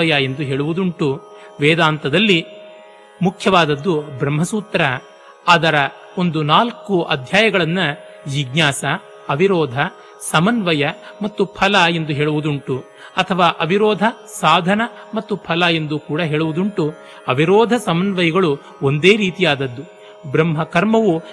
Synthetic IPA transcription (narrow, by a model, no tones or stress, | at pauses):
ɐjɐe̞nd̪uɦeːɭuʋud̪uɳʈu | ʋɛːd̪aːnt̪ɐd̪ɐlːi | mukʰjɐʋaːd̪ɐd̪ːubɾɐmɦɐsuːt̪ɾɐ | aːd̪ɐɾɐ | o̞nd̪unaːlkuʔɐ̰d̪ʱjaːjɐɡɐɭɐnːɐ | jiɡɲaːsɐ | ɐʋiɾɔːd̪ʱɐ | sɐmɐnʋɐjɐmɐt̪ːupʰɐlɐend̪uɦeːɭuʋud̪uɳʈu | ɐt̪ʰɐʋaːʔɐbiɾɔːd̪ʱɐ | saːd̪ʱɐnɐ | mɐt̪ːupʰɐlɐe̞nd̪ukuːɽɐɦeːɭuʋud̪uɳʈu | ɐbiɾɔːd̪ʱɐsɐmɐnʋɐjɐɡɐɭu | o̞nd̪eːɾiːt̪ijaːd̪ɐd̪ːu | bɾɐmɦɐkɐɾmɐʋu